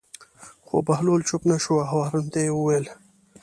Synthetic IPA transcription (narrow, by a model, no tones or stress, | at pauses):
xo̰bahlolt͡ʃʊpnaʃoaɦawɑːɾunt̪ajewuwel